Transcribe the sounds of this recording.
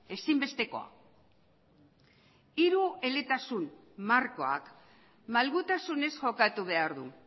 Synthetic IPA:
e̞simbe̞st̪e̞ko̞̰a̰ | iɾue̞le̞t̪asun | marko̞a̰k | malɣut̪asune̞sʝo̞kat̪uβ̞e̞aɾðṵ

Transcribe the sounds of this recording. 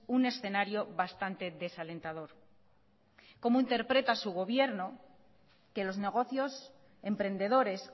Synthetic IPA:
une̞sθe̞naɾjo̞βast̪ant̪e̞ðe̞sale̞nt̪aðo̞ɾ | ko̞moint̪e̞ɾpɾe̞t̪asuɣ̞o̞βje̞ɾno̞ | ke̞lo̞zne̞ɣ̞o̞θjo̞s | e̞mpɾe̞nd̪e̞ðo̞ɾe̞s

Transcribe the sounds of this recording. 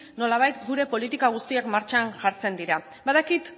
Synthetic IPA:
no̞laβ̞ajt̪ɡuɾe̞po̞lit̪ikaɣ̞ust̪iakmaɾt͡ʃanʝaɾt͡se̞nd̪iɾa | baðakit̪

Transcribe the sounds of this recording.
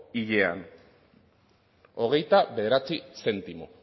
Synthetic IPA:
iʎea̰n | o̞ɣ̞e̞jt̪aβe̞ðe̞ɾat͡sise̞nt̪imo̰

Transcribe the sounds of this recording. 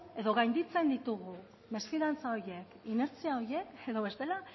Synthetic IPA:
e̞ðo̞ɣajnd̪it͡se̞nd̪it̪uɣu | me̞sfiðant͡sao̞ɾje̞kine̞ɾt͡siao̞ɾje̞ke̞ðo̞β̞e̞st̪e̞la

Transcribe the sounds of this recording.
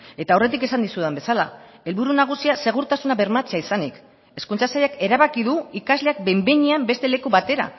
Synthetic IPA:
e̞t̪aore̞t̪̬ike̞sand̪isuðembe̞sala | e̞lβuɾunaɣ̞usiase̞ɣ̞uɾt̪asunaβe̞ɾmat͡seaisanik | e̞skunt͡sasajake̞ɾaβakiðuikazle̞ak̚be̞mbeɲiambe̞st̪e̞le̞kuβat̪e̞ɾa̰

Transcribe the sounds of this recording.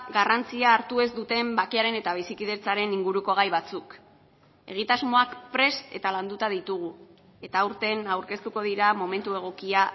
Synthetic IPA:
ɡarant͡siaːɾt̪ue̞zd̪ut̪e̞mbakeaɾe̞ne̞t̪aβ̞isikið̞e̞t͡saɾe̞niŋɡuɾuko̞ɣajβat͡suk | e̞̰ɣ̞it̪azmo̞akpɾe̞st̪e̞t̪aland̪ut̪aðit̪uɣ̞u | e̞t̪aːuɾt̪e̞nawɾke̞st̪uko̞ð̞iɾamo̞me̞nt̪ue̞ɣ̞o̞kia

